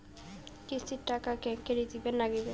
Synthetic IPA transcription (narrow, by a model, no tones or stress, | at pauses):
kisiʈakakɛŋkeɾid̪ibenːaɡibe